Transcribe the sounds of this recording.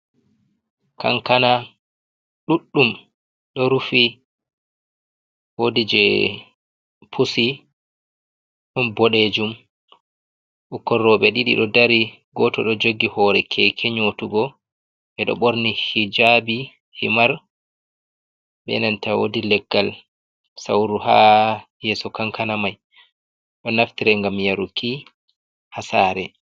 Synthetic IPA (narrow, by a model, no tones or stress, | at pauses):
ka̰nkana | ɗuɗːum | ɗɔɾufi | wodid͡ʒɛ | pʰusi | ɗɔnbɔɗeːd͡ʒum | ʔɔkːɔrːɔɓɛɗiɗḭɗɔdaɾi | ɡɔtɔɗɔd͡ʒoɡːihɔɾɛkʰɛkʰeɲotuɡɔ | ɓɛɗɔ̰ɓoɾnihid͡ʒabi | himaɾ | ɓɛ̰nantawo̰dilɛɡːal | sawɾuhajɛsɔkaŋkanamaj | ɗɔnaftiɾɛŋɡamjaɾuki | hasaːɾɛ